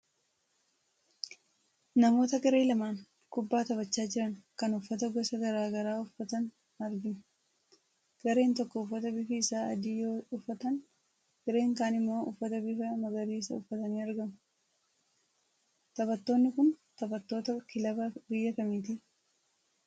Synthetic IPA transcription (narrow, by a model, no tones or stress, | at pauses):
nɐmo̞ːt̪ɐkʼɪɾe̞ːlɐmaːn | kʊbːaːt̪ɐbɐt͡ʃːaːd͡ʒɪɾɐŋkɐnʊfːɐt̪ɐɡɔsɐɡɐɾaːɡɐɾaːʊfːɐt̪ɐn | ɐɾɡɪm | ɡ̥ɐɾe̞ːnt̪ɔkːɔʊfːɐt̪ɐbɪfɪɪsaːɐ̰d̪iːjoːʊfːɐt̪ɐn | ɡɪɾe̞ːŋkaːnɪmːo̞ːʔʊfːɐt̪ɐbɪfɐmɐɡɐliːsɐ̰ʊfːɐt̪ɐniːɐɾɡɐm | t̪ɐbɐt̪ːo̞ːnːɪkʊnt̪ɐbɐt̪ːo̞ːt̪ɐkɪlɐbɐbɪjːɐkɐmiːt̪̬ɪ